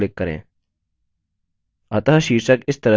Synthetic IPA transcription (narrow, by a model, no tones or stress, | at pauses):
lɪkːɐɾḛ̃ː | ɐt̪əɦʃiːʃəkɪst̪ɐɾə